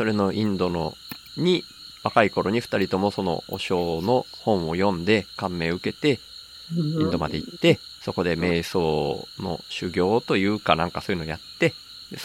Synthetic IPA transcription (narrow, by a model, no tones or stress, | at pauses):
so̞ɾe̞no̞ʔĩnd̪o̞no̞̰ | ɲ̟i | βakaiko̞ɾo̞ɲ̟iɸɯ̟̥t̪aɾʲit̪o̞mo̞so̞no̞̰o̰ɕo̞ːno̞hõ̞ɰ̃o̞jõ̞nd̪e̞kãmːe̞ːɯ̟ke̞t̪e̞ | ĩnd̪o̞ma̰d̪e̞it̪ːe̞ | so̞ko̞d̪e̞me̞ːso̞ːno̞̰ɕɨɡʲo̞ːt̪o̞jɯ̟ːkanãŋkasoːjɯ̟nojat̪ːe̞ | d̪e